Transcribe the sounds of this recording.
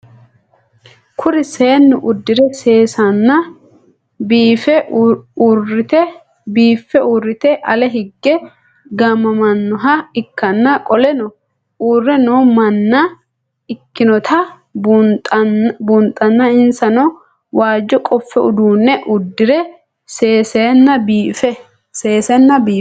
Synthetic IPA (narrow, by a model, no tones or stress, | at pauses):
kʰʊɾɪseːnːʊʔʊd̪ːɪɾɛse̞ːsɐnːɐ | biːfɛurɪt̪ɛ | biːfːɛurːɪt̪ɛʔɐlɛɦɪɡːɛ | ɡɐmːɐmɐnːɔɦɐɪkːɐnːɐkʼɔlɛnɔ | uːrːɛnoːmɐnːɐ | ɪkːɪnɔt̪ʰɐ | bunt̪ʼːɐnːɐɪnsɐnɔ | waːd͡ʒːɔkʼɔfːɛʊd̪uːnːɛʔʊd̪ːɪɾɛ | seːsɛnːɐbiːfɛ | seːsɛnːɐbiː